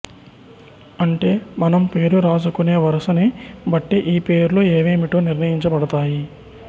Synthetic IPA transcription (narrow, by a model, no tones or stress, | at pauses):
ɐɳʈe̞ːmɐnɐmpe̞ːɾuɾaːzukune̞ːʋɐɾɐsɐnibɐʈːiʔiːpe̞ːɾuloːeːʋeːmiʈoːniɾnɐjiɲt͡ʃɐbɐɽɐt̪aːji